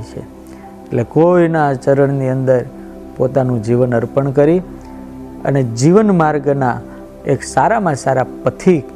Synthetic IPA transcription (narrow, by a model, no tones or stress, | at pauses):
it͡ʃʰḛ | eʈlekoinat͡ʃəɾəɳniənd̪əɾ | pot̪anũd͡ʒiʋənəɾpəɳk̬əɾi | ə̰ned͡ʒiʋənmaɾɡna̰ | eksaɾamãsaɾapət̪ʰik